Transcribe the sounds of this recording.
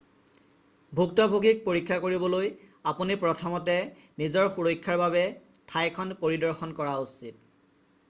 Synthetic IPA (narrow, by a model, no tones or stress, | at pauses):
bʱuk̚tabʱoɡik̚poɹikʰːakoɹibɔlojapunipɹɔtʰɔmɔtɛnizɔɹxuɹojkʰːaɹbaβɛ | tʰajkʰɔnpoɹidɔɹxɔnkɔɹausit̚